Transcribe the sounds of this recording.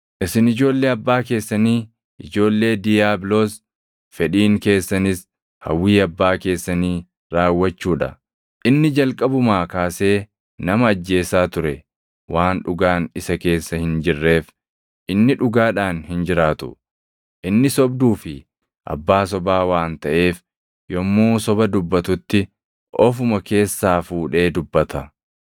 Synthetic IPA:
ʔɪsɪnɪd͡ʒo̞ːlːe̞ːɐbːaːk̬e̞ːsːɐniː | ɪd͡ʒo̞ːlːe̞ːd̪ɪjaːbloːs | fɛᶑiːŋke̞ːsːɐnɪs | hɐ̰wːiːɐbːaːke̞ːsːɐniː | ɾaːwːɐt͡ʃːuːᶑɐ̰ | ʔɪnːɪd͡ʒɐlkʼɐbʊmaːkaːse̞ː | nɐmɐːd͡ʒːe̞ːsaːt̪ʊɾɛ̰ | waːnᶑʊɡaːnɪsɐke̞ːsːɐhɪnd͡ʒɪrːe̞ːf | ʔɪnːɪᶑʊɡaːᶑaːnhɪnd͡ʒɪɾaːt̪ʊ̰ | ʔɪnːɪsɔb̚d̪uːfɪ | ʔɐ̰bːaːsɔbaːwaːnt̪ɐʔe̞ːf | jɔmːoːsɔbɐd̪ʊbːɐt̪ʊt̪ːɪ | ʔɔfʊmɐke̞ːsːaːfuːᶑe̞ːd̪ʊbːɐt̪ɐ

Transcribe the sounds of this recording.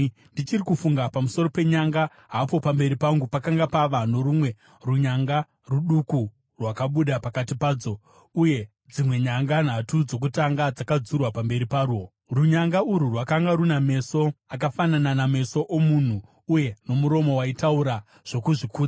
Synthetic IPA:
ndit͡ʃirikufuŋɡapamuso̞ɾo̞pe̞ɲaŋɡa | ɦaːpo̞pambe̞ɾipaŋɡupakaŋɡapaʋano̞ɾumwe̞ | ruɲaŋɡa | ruɗuku | rwakaɓuɗapakat̬ipaːd͡zo̞ | uje̞ | d͡zimwe̞ɲaŋɡan̤atud͡zo̞k̬utaŋɡad͡zakad͡zurwapambe̞ɾipaːɾuɦo | ruɲaŋɡauɾurwakaŋɡaɾuname̞so̞ak̬afanananame̞so̞ʔomun̤uː | je̞no̞muɾo̞mo̞waitauɾa | ʐ̥o̞kuʐikuːd͡za

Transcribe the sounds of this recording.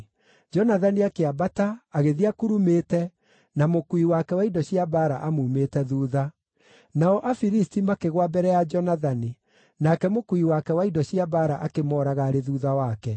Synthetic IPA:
d͡ʒɔnaðaniakeabataaɣeðiakuɾumetɛ | namokuiwakɛwaidɔɕiabaɾaʔamuːmeːtɛðuːða | naɔʔafiɾistimakeɣwabɛɾɛjad͡ʒɔnaðani | nakɛmokuiwakɛwaidɔɕiabaɾaʔakemɔːɾaɣaɾeðuːðawakɛ

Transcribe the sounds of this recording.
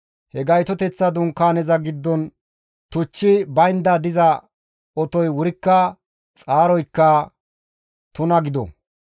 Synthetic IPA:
hɛɡɐjt̪ɔt̪ɛt͡sːɐd̪ʊŋkaːnɛzɐɡɪd̪ːɔn | t̪ʊt͡ʃːɪbɐjnd̪ɐd̪ɪzɐ | ɔt̪ɔjwʊɾɪkːɐ | t͡sʼaːɾɔjkːɐ | t̪ʊnɐɡɪd̪ɔ̰

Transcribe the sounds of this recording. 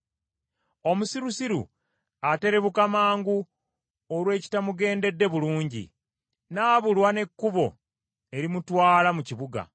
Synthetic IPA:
o̞musiɾusiɾṵ | ate̞ɾe̞βukamaːŋɡu | oɾwe̞ːci̥tamuɡe̞ːnde̞dːe̞βuluːɲɟḭ | naːβulwane̞kːuβo̞ | e̞ɾimutwaːlamuciβuɡa̰

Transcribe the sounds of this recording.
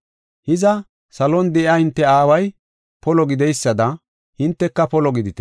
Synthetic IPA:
hɪzɐ | sɐlɔnd̪ɛʔjahɪnt̪ːɛaːwɐj | pɔlɔɡɪd̪ɛjsːɐd̪ɐ | hɪnt̪ːɛkːɐpɔlɔɡɪd̪ɪt̪ɛ

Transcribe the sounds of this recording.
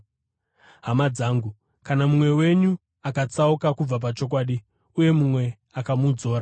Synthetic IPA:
ɦamad͡zaːŋɡu | kanamumwe̞we̞ɲu | akat͡saukakub͡vap̬at͡ʃo̞k̬waːɗi | uje̞mumwe̞ | akamud͡zo̞ːɾa

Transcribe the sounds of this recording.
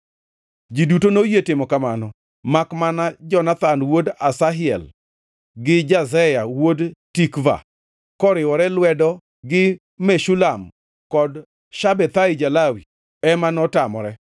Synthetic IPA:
d͡ʒidutonojetɪmɔkamanɔ | makmanad͡ʒɔnat̪anwodasaɦɪɛ̰l | ɡɪd͡ʒazɛjawodtikva̰ | kɔɾɪwɔɾɛlwɛdɔ | ɡɪ | meʃulam | kɔd | ʃabɛt̪aɪd͡ʒalawi | ɛmanɔtamɔɾɛ

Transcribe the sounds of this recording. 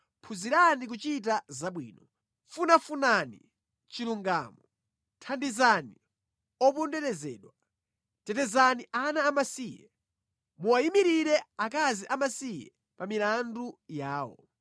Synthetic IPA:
pʰuziɾanik̬ut͡ʃit̬azaɓwḭːnɔ | funafunanḭ | t͡ʃiluŋɡa̰ːmɔ | tʰandizani | ɔp̬ɔndɛɾɛzɛ̰ːɗwa | tɛtɛzaniʔanaːmasijɛ̰ | muajimiɾiɾɛak̬aziʔamasijɛ̰ | pamilandujaːwɔ̰

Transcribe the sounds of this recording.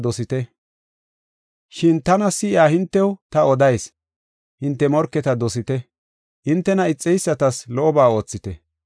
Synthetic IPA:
d̪ɔsɪt̪ɛ | ʃɪnt̪ɐnɐsɪɪaːhɪnt̪ːɛwt̪ɐɔd̪ɐjs | hɪnt̪ːɛmɔɾkːɛt̪ɐd̪ɔsɪt̪ɛ | ʔɪnt̪ːɛnɐɪt͡sʼːɛjsːɐt̪ɐslɔʔɔbaːo̞ːt͡sːɪt̪ɛ

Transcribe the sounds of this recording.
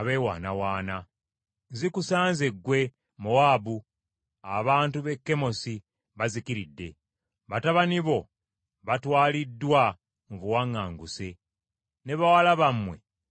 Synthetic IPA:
aβeːwa̰ːnawaːna | zikusaːnzeɡːwe̞ | moabu | a̰βaːntuβe̞kːe̞mo̞si | βazikiɾidːe̞ | βataβaniβo̞ | βatwaːlidːwa | muβuwaŋːaːŋɡuse̞ | ne̞βawalaβamːwe̞̰

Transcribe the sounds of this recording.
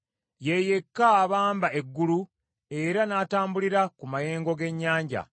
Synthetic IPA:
je̞je̞kːaːβaːmbae̞ɡːulu | e̞ɾanaːtaːmbuliɾakumaje̞ːŋɡo̞ɡe̞ɲːaːɲɟa̰

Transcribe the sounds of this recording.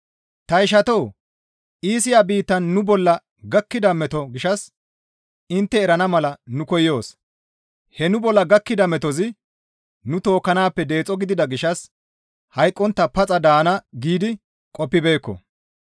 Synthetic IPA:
t̪ɐɪʃ̬ɐt̪ow | ʔiːsɪjaːbiːt̪ːɐnːʊbɔlːɐ | ɡɐkːɪd̪ɐmɛt̪ɔɡɪʃɐs | ɪnt̪ːɛːɾɐnɐmɐlɐnʊkɔjːo̞ːs | hɛnʊbɔlːɐɡɐkːɪd̪ɐmɛt̪ɔzɪ | nʊt̪o̞ːkːɐnaːpːɛd̪e̞ːt͡sʼɔɡɪd̪ɪd̪ɐɡɪʃɐs | hɐjkʼːɔnt̪ːɐpɐt͡sʼɐd̪aːnɐɡiːd̪ɪ | kʼɔpːɪbe̞ːkːɔ̰

